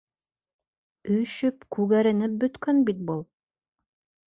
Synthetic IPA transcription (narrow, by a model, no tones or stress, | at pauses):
ɵʃɵpkʉɣæɾɘ̆nɘp̚bɵ̆t̪kœnbit̪̚bulˠ